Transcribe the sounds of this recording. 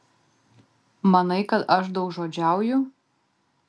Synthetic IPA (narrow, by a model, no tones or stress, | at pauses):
mɐnɐɪkɐt̪ɐʃ̬d̪ɐʊkʒoːd͡ʒʲæˑʊjʊ